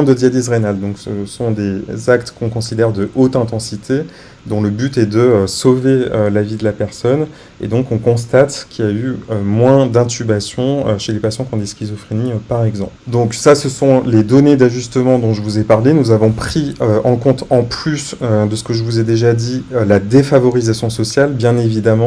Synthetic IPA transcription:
ɛ̃d̪əd̪jad̪isʁenald̪ɔ̃ksəsɔ̃d̪ezakt̪kɔ̃kɔ̃sid̪ɛʁd̪əʔot̪ɛ̃t̪ɑ̃sit̪ʰe | d̪ɔ̃ləbyt̪ɛd̪əsoveølavid̪əlapɛʁsɔn | ḛd̪ɔ̃kɔ̃kɔ̃s̬t̪at̪kʲiljayømwɛ̃d̪ɛ̃t̪ybasjɔ̃øʃelepasjɑ̃kɔ̃d̪eskʲizɔfχiniøpaʁɛɡzɑ̃pld̪ɔ̃ksasəsɔ̃led̪ɔned̪aʒyst̪əmɑ̃d̪ɔ̃ʒəvuzɛpaʁlenuzavɔ̃pχiøɑ̃kɔ̃t̪ɑ̃plysød̪əsə̥kəʒəvuzɛd̪eʒad̪iølad̪efavɔʁizasjɔ̃sɔsjalbjɛ̃nevid̪amɑ̃

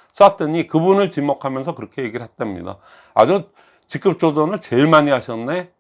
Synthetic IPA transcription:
s͈at͈ɯɲikɯbunɯɭt͡ɕimokʰamjʌnsʰʌkɯɾʌkʰe̞je̞ɡiɾɯɭɦet͈amɲḭda̰ | a̰d͡ʑu | t͡ɕik͈ɯp̚t͡ɕ͈odonɯɭt͡ɕe̞ɭmaɲiɦaɕʰʌnːe

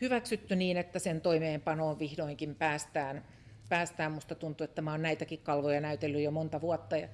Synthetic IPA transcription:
hyʋæksyt̪ːyniːnet̪ːæsent̪oimeːmpɑnoːʋʋihdoiŋkimpæːst̪æːn | pæːst̪æːmmust̪ɑt̪unt̪uet̪ːæmɑonnæit̪ækikkɑlʋojɑnæyt̪elːyjomont̪ɑʋuɑt̪ːɑjɑ̰

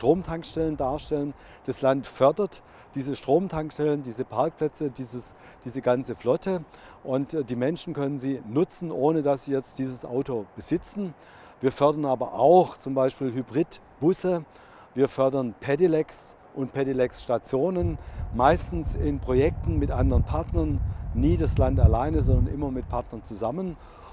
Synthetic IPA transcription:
ʃtʁ̥oːmtʰaŋkʃtɛləndaːɐʃtɛlən | d̥aslantfœɐdɐt | d̥iːzəʃtʁ̥oːmtʰaŋkʃtɛləndiːzəpʰaɐk̚pl̥ɛt͡sədiːzəs | d̥iːzəɡant͡səflɔtə | ʔʊntd̥iːmɛnʃn̩kʰœnənziːnʊt͡sn̩ʔoːnədasz̥iːjɛt͡st̚d̥iːzəsʔa̰ʊtob̥əzɪt͡sn̩ | viːɐfœɐdɐnʔaːbɐʔaʊxt͡sʊmbaɪʃpiːlhybʁiːd | b̥ʊsə | viːɐfœɐdɐnpʰɛdilɛks | ʔʊntpʰɛdilɛksʃtat͡sjoːnənmaɪstn̩sɪnpʁ̥ojɛk̚tn̩mɪtʔandəʁənpʰaɐtnɐnːiːdaslantalaɪnəzɔndɐnʔɪmɐmɪt̚pʰaɐtnɐnt͡suzamən

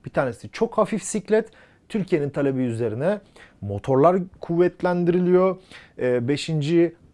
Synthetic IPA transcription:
b̥it̪ʰaːɾnesit͡ʃʰo̞khafifsiclʲɛt̪ | t̪ʰːyɾcʰijenint̪ʰalʲebiyze̞ɾinɛmo̞t̪ʰo̞ɾlˠaɾkʰuvːɛt̪lʲænd̪iɾilʲijo̞ː | be̞ʃind͡ʒi

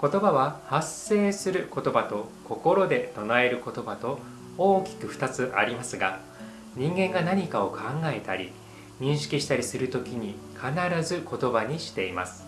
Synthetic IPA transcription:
ko̞t̪o̞baβahasːe̞ːsɨɾɯ̟ko̞t̪o̞bat̪o̞ko̞ko̞ɾo̞d̪e̞t̪o̞nae̞ɾɯ̟ko̞t̪o̞bat̪o̞ | oːkʲi̥kɯ̟ɸɯ̥t̪at͡sɨʔaɾʲimasɨɡa | ɲ̟ĩŋɡẽ̞ŋɡanaɲ̟ikao̞kʰãŋɡae̞t̪a̰ɾʲi | ɲ̟ĩɰ̃ɕi̥kʲiɕi̥t̪aɾʲisɨɾɯ̟t̪o̞kʲiɲ̟i | kʰanaɾazɨko̞t̪o̞baɲ̟iɕi̥t̪e̞ima̰sɨ̥

